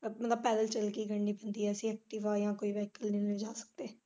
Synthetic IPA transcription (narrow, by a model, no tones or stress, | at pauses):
mət̪ləb̚pɛːdəlt͡ʃəlkiːɡəɳɖiːbənd̪iːɛːəsĩːɛːk̚ʈiːʋaːjãːkoːiːʋɛːkəlnĩːned͡ʒaːsə̥k̚d̪eː